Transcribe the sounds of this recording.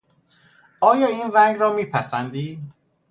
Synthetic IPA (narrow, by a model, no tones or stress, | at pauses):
ʔɒːjɒːiːnræŋɡɾɒːmiːpʰæsænd̪iː